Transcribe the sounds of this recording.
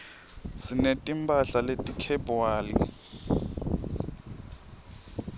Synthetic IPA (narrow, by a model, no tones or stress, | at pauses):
sinetʼimbʱʼaɬaletʼikʰɛbuwaːlḭ